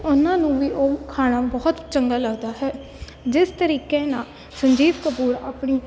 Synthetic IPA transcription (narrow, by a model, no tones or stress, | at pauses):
ʊnãːnũːʋiːʔoːkʰaːnaːbɔːt̪t͡ʃəŋɡaːləɡd̪aːɦɛː | d͡ʒɪst̪əɾiːkeːnaːl | səɲd͡ʒiːd̪kəpuːɾa̰ːpɳiː